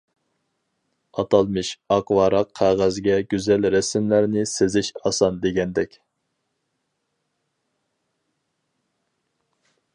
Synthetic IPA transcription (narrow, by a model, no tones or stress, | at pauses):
ɑt̪ɑlˠmɨʃɑqwɑːɾɑqʰːæʁæzɡʲɛɡʲyzɛlɾɛsɪmlæɾnɪsezɪʃɑsɑnd̪eɡʲɛnd̪ɛkʲ